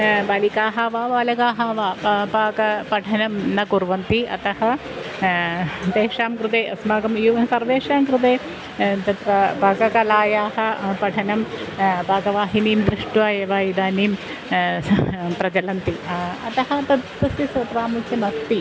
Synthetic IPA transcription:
baːlikaːɦaːʋaːʋaːlɐɡaːɦaːʋaːpaːkɐpɐʈʰɐnɐmnɐkuɾʋɐnt̪iɐ̰t̪ɐhɐ | d̪eːʂaːmkɾut̪̬eːɐsmaːɡɐmjuɐsɐɾʋeːʂaːmkɾut̪eː | t̪ɐt̪ʋɐbʱaːkɐkɐlaːjaːɦɐ̆pɐʈʰɐnɐmbaːkɐʋaːɦiniːmd̪ɾiʂʈʋaːjɐʋaːjid̪aːniːm | pɾɐt͡ʃɐlɐnt̪iɐ̰t̪ɐɦɐ̆t̪ɐt̪pɐsisɐpɾaːmit͡ʃɐmɐst̪i

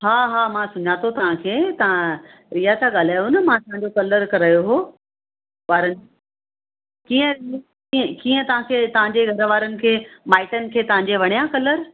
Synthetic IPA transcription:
ɦaːɦaːmãsʊɲat̪ʰot̪ɐʋ̤ãkʰeːt̪ɐʋã | ɾijat̪ʰaɠaːl̤aːjunɐmãt̪ɐɦãɲd͡ʑokɐləɾkɐɾaːjoɦo | ʋaːɾənɪd͡ʑ | kiːə̃ɾ | iə̃kiːə̃t̪ɐʋ̤ãkʰeːt̪ɐʋ̤ãɲd͡ʑeɡʱɐɾʋaːɾənɪ̆kʰeːmaːɪʈənɪ̆kʰeːt̪ɐʋ̤ãɲd͡ʑeʋɐɽ̃ijãkɐləɾ

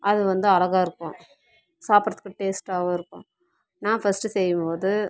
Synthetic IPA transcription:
ʔɐðɯʋɐnd̪ɯɐɭɐɣaːɪɾɯkːʊ̃ | saːpɾɐðɯ̥kːɯʈeːsʈaːʋoːɪɾɯkːʊ̰̃ | nãːfɐsʈɯsɛjːɯmpoːðɯ

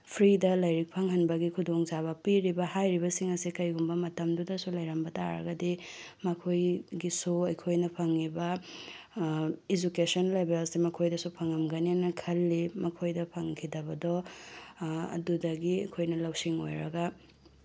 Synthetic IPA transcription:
pʰɾidɐlɐjɾik̚pʰɐŋɦɐnbɐɡikʰudoŋzaβɐpiɾibɐhajɾibɐsiŋɐsikɐjɡumbɐmɐtɐmdudɐsulɐjɾɐmbɐta̰ɾɐ̰ɡɐdimɐkʰojɡisuɐjkʰojnɐpʰɐŋːibɐ | id͡ʒukesɔnlebelsimɐkʰojdɐsupʰɐŋɐmɡɐnianɐkʰɐlːimɐkʰojdɐpʰɐŋkʰidɐbɐdɔ | ɐ̰dudɐɡiɐjkʰojnɐlɐwsiŋo̰jɾɐɡɐ

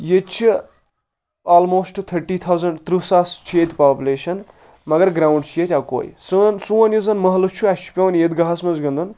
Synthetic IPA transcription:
jet͡ʃʰi | aːlmoːsʈt̪ʰɐɾʈiːt̪ʰawzɐɳɖt̪ɾusast͡ʃʰjet̪ʲpaːpʲjuleːʃɐn | mɐɡɐɾɡɾaːwɳɖt͡ʃʰjet̪ʲjaːko̰ːjḭsunsũːɐnjuzɐnmɐɦɐlut͡ʃʰuat͡ʃʰi̥pʲɐwnjed̪ɡɐɦɐsmɐzɡɐ̃nd̪un

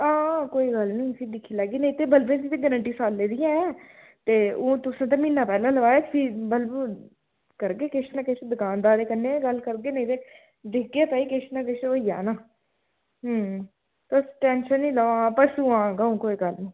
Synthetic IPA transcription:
ãːkoːiːɡəlnĩːsid̪ɪkʰːiːlaːɡiːnəĩːt̪eːbəlbẽːsiːt̪eːɡəɾə̃ɳʈiːsaːlːeːd̪ɪjãːɛ̃ː | t̪eːõːt̪ʊsãːt̪̬aminːaːpɛːlãːləʋaːeːksiːbəlb | kəɾɡeːkeʃnãːkeʃd̪əkãːnd̪aːɾeːkənːẽːɡəlkəɾɡeːnə̃ĩːt̪eː | d̪ɪkɡeːt̪aːiːkeʃnãːkeʃʋəɪja̰ːnaː | t̪osʈɛ̃ːnʃənːĩːləãːpəsuːãːɡəũːkoːiːɡəlnĩː

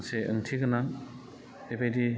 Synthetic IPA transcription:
seɯ̰ŋtʰiɡɯna | debajdi

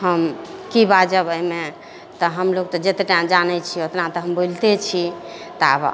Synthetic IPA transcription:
həmkibad͡ʒəbəjme | t̪ɔɦəmloɡ̚t̪ɔd͡ʒet̪eʈamd͡ʒanɛt͡ʃʰiot̪nat̪ɔɦəmbolt̪et͡ʃʰit̪ɔə̰b

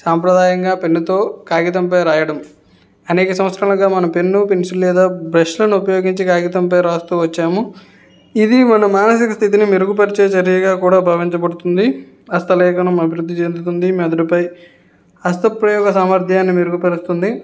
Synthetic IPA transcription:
saːmpɾɐd̪aːjɐŋɡaːpenːut̪o̞ːkaːɡit̪ɐmp̬ɐjɾaːjɐɽɐm | ɐneːkɐsɐmʋɐt̪sʰɾaːlɐɡaːmɐnɐmpenːupensullɛːd̪aːbɾɐʃlɐniupɐjo̞ːɡiɲt͡ʃikaːɡit̪ɐmpɐjɾaːst̪uːʋɐt͡ʃːaːmu | id̪imɐnɐmːaːnɐsikɐst̪ʰit̪̬inimiɾukup̬ɐɾit͡ʃeːt͡ʃɐɾijɐɡaːkuːɽaːbʱɐʋiɲt͡ʃɐbɐɽut̪und̪i | ɐst̪ɐlɛːkɐnɐmɐbʱiɾud̪ːit͡ʃeːnd̪ut̪und̪imɛd̪ɐɽupɐj | ɐst̪ɐpɾɐjɔːɡɐsaːmɐɾd̪ʱjaːnːimiɾukupɐɾust̪und̪i

